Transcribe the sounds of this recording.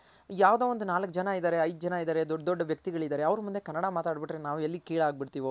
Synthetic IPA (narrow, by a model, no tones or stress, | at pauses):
jaːʋd̪eːʋond̪unaːlɐkːd͡ʒɐnaid̪aːɾe̞ɐjd̪ud͡ʒɐnaid̪aːɾe̞d̪ɔɖd̪ɔɖːɐʋjɐkt̪iɡɐɭid̪aːɾe̞ɐʋɾɐmund̪e̞kɐnːɐɽamaːt̪aːɖbiʈɾenaːʋuelːikiːɭaːɡ̚biɽt̪iːʋo